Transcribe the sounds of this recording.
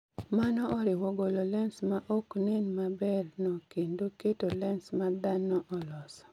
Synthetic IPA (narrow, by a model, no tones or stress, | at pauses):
manɔɔɾɪwɔɡolɔlɛnsmaʔoknenmabɛrnɔkendoketolɛnsmad̪anɔʔɔlɔsɔ̥